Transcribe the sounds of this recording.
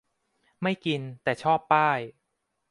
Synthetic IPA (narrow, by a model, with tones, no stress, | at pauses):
ma˥˩jki˧nt̪ɛː˨˩t͡ɕʰɔː˥˩pːaː˥˩j